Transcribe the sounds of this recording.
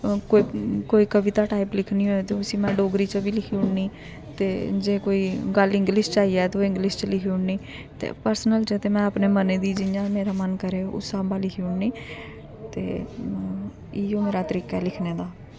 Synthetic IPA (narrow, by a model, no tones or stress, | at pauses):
koːikoːiːkəʋɪt̪aːʈaːiplɪkʰnĩːoːet̪eʊsĩːmɛ̃ːɖoːɡɾiːt͡ʃəbiːlɪkʰiːʊɳniː | t̪eːd͡ʒeːkoːiːɡəlɪ̃ŋɡlɪst͡ʃaːiːɛːt̪eoːɪ̃ŋɡlɪst͡ʃlɪkʰiːʊɳniː | t̪ḛːpəɾsənəld͡ʒet̪eːmɛ̃ːəpneːməneːd̪iːd͡ʒɪjãːmeːɾaːmənkəɾeːʊ̰saːbaːlɪkʰiːʊɳniː | t̪ḛː | ɪõːmeːɾaːt̪əɾiːkaɛlɪkʰneːd̪aː